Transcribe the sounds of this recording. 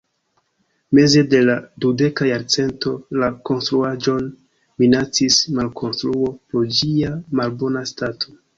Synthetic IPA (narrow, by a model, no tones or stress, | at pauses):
me̞ze̞de̞ladude̞kajaɾt͡se̞nto̞lako̞nstɾuad͡ʒo̞n | minat͡sismalkʰo̞nstɾuo̞pɾod͡ʒiamalbo̞nastatʰo